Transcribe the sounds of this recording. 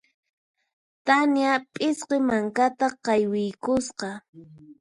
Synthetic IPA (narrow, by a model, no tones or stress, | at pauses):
t̪anjapʼɪsqemaŋkat̪aqɑjwɪjkʊsqɑ